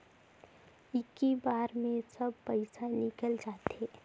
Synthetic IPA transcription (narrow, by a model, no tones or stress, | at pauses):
ɪkːibaːɾmẽsəb̚pəɪsanɪkəld͡ʒaːt̪eː